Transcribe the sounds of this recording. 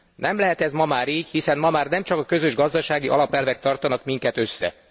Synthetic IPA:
nʔɛmlɛɦɛt̪ɛzmɒmaːɾiːɟhisɛnmɒmaːrnɛmt͡ʃɒkɒkø̞zøʒɡɒzd̪ɒʃaːɡiʔɒ̰lɒpɛlvɛk̚t̪ɒrt̪ɒnɒkmiŋkɛt̪ø̞sːɛ̰

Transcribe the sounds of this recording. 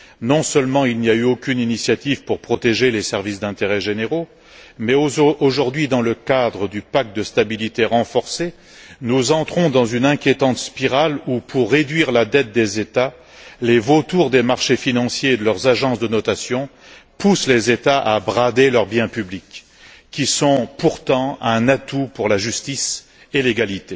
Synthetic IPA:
nɔ̃sœlmɑ̃ilnijayokʲyninisjat̪ivpuʁpχɔt̪eʒelesɛʁvis̬d̪ɛ̃t̪eʁɛʒeneʁo | mɛoʒuʁd̪ɥid̪ɑ̃ləkad̪ʁəd̪ypak̚t̪̚d̪əst̪abilit̪eʁɑ̃fɔʁse | nuzɑ̃t̪χɔ̃d̪ɑ̃zynɛ̃kʲjet̪ɑ̃t̪spiʁalupʰuʁːed̪ɥiʁlad̪ɛt̪̚d̪ezet̪a | levot̪uʁd̪emaʁʃefinɑ̃sjeːd̪əlœʁzaʒɑ̃sd̪ənɔt̪asjɔ̃ | puslezet̪aʔabʁad̪elœʁbjɛ̃pyblikː | isɔ̃puʁt̪ɑ̃ɛ̃nat̪upuʁlaʒyst̪is | eleɡalit̪e

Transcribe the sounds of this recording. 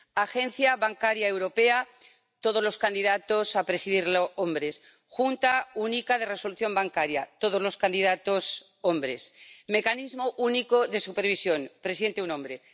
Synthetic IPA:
axe̞nθjaβaŋkaɾjaewɾo̞pe̞a | t̪oð̞o̞zlo̞skand̪iðat̪osapɾe̞siðiɾloombɾe̞s | xunt̪aunikað̞e̞re̞so̞luθjo̞mbaŋkaɾjat̪o̞ð̞o̞zlo̞skand̪iðat̪o̞s | ombɾe̞sme̞kanizmoʔunikoðe̞supeɾβ̞isjo̞npɾesiðe̞nt̪eunõmbɾe

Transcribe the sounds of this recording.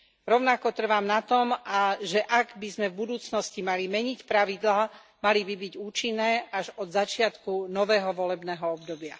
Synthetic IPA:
ɾɔʊnakɔt̪r̩ʋaːmnat̪ɔmʔaʒɛʔaɡbizmɛvbud̪uːt͡snɔscimalimɛɲicpɾaʋid̪laː | malibibiɟuːt͡ʃinːɛːaʒɔd̪zat͡ʃɪat̪kunɔʋɛːɦɔʋɔlɛbnɛːɦɔɔb̚d̪ɔbɪa

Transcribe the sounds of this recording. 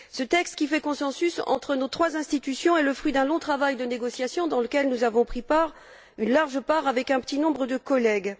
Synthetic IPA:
sət̪ɛkst̪̚kʲifɛkɔ̃sɑ̃sysɑ̰̃t̪χənot̪χwazɛ̃st̪it̪ysjɔ̃eləfχɥid̪ɛ̃lɔ̃t̪χavajd̪əneɡɔsjasjɔ̃d̪ɑ̃ləkʲɛlnuzavɔ̃pχipaʁ | ynlaʁʒəpaʁavɛkɛ̃pə̥t̪inɔ̃bʁəd̪əkɔlɛɡ

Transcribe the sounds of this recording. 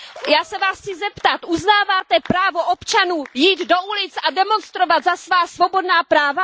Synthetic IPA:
jaːsɛvaːst͡sɪzɛpt̪at̪ʔuznaːvaːt̪ɛpɾaːvo̞ʔo̞pt͡ʃanuːjiːd̪do̞ʔulɪt͡sʔadɛmo̞nst̪ɾo̞vat̪zasvaːsvo̞bo̞dnaːpɾaːva

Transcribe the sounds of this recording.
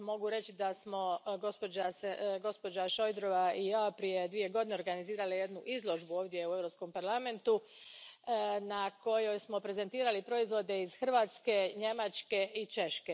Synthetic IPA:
mo̞ɡuɾe̞t͡ɕid̪asmo̞ɡospoasɡo̞spo̞d͡ʒaʃo̞jd̪ɾo̞ʋaijaːpɾije̞d̪ʋije̞ɡo̞d̪ine̞oɾɡaniziːɾalije̞d̪nuʔizlˠo̞ʒbuoːʋd̪je̞ue̞ʋɾo̞psko̞mpaɾlame̞nt̪u | nako̞jo̞jsmo̞pɾe̞ze̞nt̪iːɾalipɾo̞izʋo̞d̪e̞iz̥xr̩ʋaːt̪ske̞ɲe̞mat͡ʃke̞ʔit͡ʃe̞ʃke

